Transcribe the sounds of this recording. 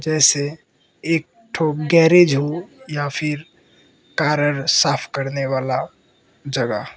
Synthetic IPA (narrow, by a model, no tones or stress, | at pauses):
d͡ʒɛːse | eːk̚ | ʈʰoːɡɛːɾed͡ʒɦojapʰɪɾ | kaːɾəɾsaːpʰkəɾneʋaːla | d͡ʒəɡa̰